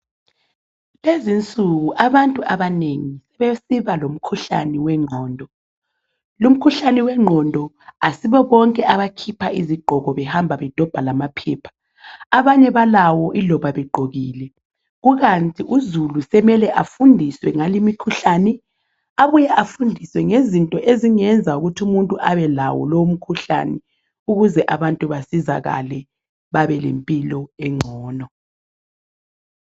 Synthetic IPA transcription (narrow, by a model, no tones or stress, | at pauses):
lezint͡sʼuɣuʔaβantʼuʔaβaneŋisɛβesiβalom̩kʰuɬa̰nɛwɛŋ͡ǃʱɔːndʱɔ | lum̩kʰuɬanɛwɛŋ͡ǃʱɔndʱɔ | asiβɔβɔŋkʼɛʔaβakʰipʰaiziɡ͡ǃʱɔɣɔβɛhambʱaβɛd̥ʱɔb̥ʱalamapʰɛːpʰḁ | aβaɲɛβalawɔʔilɔβaβɛɡ͡ǃʱoɣiːlɛ | ɣuɣantʼiʔuzulusɛmɛlɛʔafundʱiswɛŋalimikʰuɬanɛ | aβujɛʔafundʱiswɛŋezintʼɔʔeziŋɛnd͡zʱauɣutʰumuntʼuʔaβɛla̰wɔ̰lowm̩kʰuɬa̰nɛ | uɣuzɛʔaβantʼuβasizaɣa̰lɛ | βaβɛlḛmpʼilɔɛŋ͡ǀʱɔːnɔ